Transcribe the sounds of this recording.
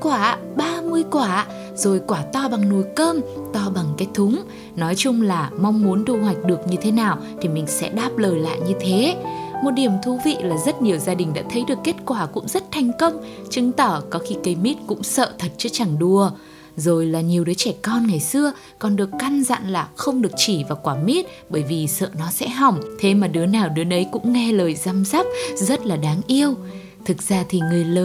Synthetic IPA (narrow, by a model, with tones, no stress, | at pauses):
kwaː˧˩ | ɓaː˧mɨ˧əjkwaː˧˩˧ | zo˨˩jkwaː˧˩t̪ɔ˧ɓa˨˩ŋnu˨˩jkəː˧mt̪ɔ˧ɓa˨˩ŋkaː˨˦jt̪ʰʊ˨˦ŋ͡m | nɔ˨˦jt͡ɕʊ˧ŋ͡mlaː˨˩ma˧wŋ͡mmu˨˦ənt̪ʰu˧hwa˨˩jk̟̚ɗɨ˨˩ək̚ɲɨ˧t̪ʰe˨˦naː˨˩w | t̪ʰi˨˩mï˨˩ŋ̟sɛ̰˧˥ɗaː˦˥p̚ləː˨˩jla̰ː˧˨jɲɨ˧t̪ʰe˨˦mo˨˩t̚ɗi˨˩əmt̪ʰu˧˩vḭ˧˨laː˨˩zə˦˥t̚ni˨˩əwzaː˧ɗï˨˩ŋ̟ɗa̰ː˧˥t̪ʰə˨˦jɗɨ˨˩əkːe˦˥t̚kwaː˧˩kʊ̰˧˥ŋ͡mzə˦˥t̚t̪ʰa˨˩jŋ̟kə˧wŋ͡m | t͡ɕɨ˨˦ŋt̪əː˧˩kɔ˨˦xi˧kə˨˧jmi˦˥t̚kʊ̰˧˥ŋ͡msə̰ː˧˨t̪ʰə˨˩t̚t͡ɕɔ˧t͡ɕa˧˩ŋɗu˧ə | zo˨˩jlaː˨˩ɲi˨˩əwɗəː˨˦jt͡ɕɛ˧˩kɔ˧nŋa˨˩jsɨ˧ə | kɔ˨˩nɗɨ˨˩əkːa˧nza̰˧˨nlaː˨˩xə˧wŋ͡mɗɨ˨˩ək̚t͡ɕi˧˩vaː˨˩kwaː˧˩mi˦˥t̚ | ɓəː˧˩jvi˨˩sə̰ː˧˨nɔ˨˦sɛ̰˧˥ɦɔ˨˩wŋ͡mt̪ʰe˨˦maː˨˩ɗɨ˨˦ənaː˨˩wɗɨ˨˦ənʔə˨˦jkʊ̰˧˥ŋ͡mŋɛ˧ləː˨˩jza˧mza˦˥p̚zə˦˥t̚laː˨˩ɗaː˨˦ŋʔi˧əw | t̪ʰɨ˨˩k̚z̥aː˧t̪ʰi˨˩ŋɨ˨˩əjləː˨˩